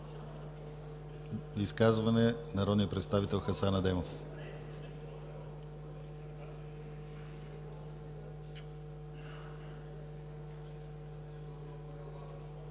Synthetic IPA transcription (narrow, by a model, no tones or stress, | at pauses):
iskazvɐnɛnɐɾɔd̪nijəpɾɛt̪st̪avit̪ɛlˠxɐsanɐd̪ɛmof